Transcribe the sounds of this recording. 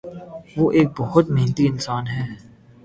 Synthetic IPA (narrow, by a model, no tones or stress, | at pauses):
ʋoːʔeːk̚bɔɦʊt̪mɛɦnt̪iɪnsaːnɦɛː